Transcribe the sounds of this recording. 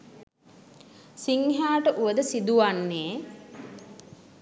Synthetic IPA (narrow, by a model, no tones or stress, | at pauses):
siŋɦaːʈəʔuʋəd̪əsid̪uʋanːeː